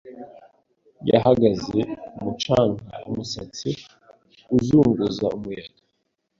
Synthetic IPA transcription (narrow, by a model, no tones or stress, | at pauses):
ja̰haɡazeumut͡ʃaːŋɡaumusat͡si | uzuːŋɡuzaumujada